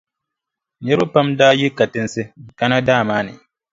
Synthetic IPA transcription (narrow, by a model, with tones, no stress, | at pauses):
ɲɛ˦ɾʊ˦pa˦mdaː˦ji˦ka˨tɪ˦nsɪ˦˨ka˦na˦daː˦˨maː˦nɪ̰˨